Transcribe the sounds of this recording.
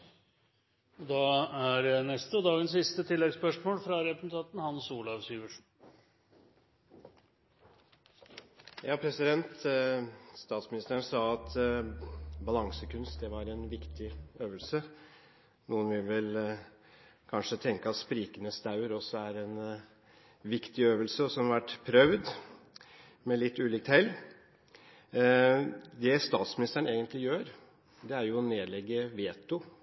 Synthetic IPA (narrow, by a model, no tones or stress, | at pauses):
ɔd̪ɑæɾnɛst̪əɔd̪ɑːɡənsɪst̪ət̪ʰɪlːɛɡspœʂmoːlfɾɑɾɛpɾəsnt̪ʰɑnt̪n̩hɑnsuːlɑʋsyːʋəʂn̩ | jɑːpʰɾɛsɪd̪ɛnt̪ | st̪ɑːt̪smɪnɪst̪æːɾɳsɑːɑt̪ | bɑlɑŋsəkʰʉnst̪̚d̪ɛʋɑɾɛnʋɪkt̪ʰɪøːʋəlsə | nuːənʋɪʋɪl | kʰɑnʂət̪ʰɛŋkəɑt̪spɾiːkənəst̪ɑʉəɾɔsːɔæɾɛn | ʋɪkt̪ɪøːʋəlsəɔsɔmʋæʈːpʰɾœʋd̪ | mɛlɪt̪ʰːʉːliːk̚t̪ʰhɛlː | d̪ɛst̪ɑːt̪smɪnɪst̪əəɳ̩eːɡənt̪ʰlɪjøːɾ | d̪ɛæɾjʊɔneːd̪lɛɡːəʋeːt̪ʊ